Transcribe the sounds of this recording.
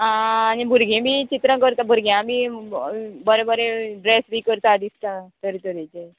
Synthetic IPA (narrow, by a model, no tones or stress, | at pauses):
aːñibʱuɾɡʱẽmit͡ɕit̪ɾə̃kəɾt̪abʱuɾɡʱijami | bəɾẽbəɾeɖɾesʋiːkəɾt̪aːd̪ist̪ãt̪əɾit̪əɾet͡ɕe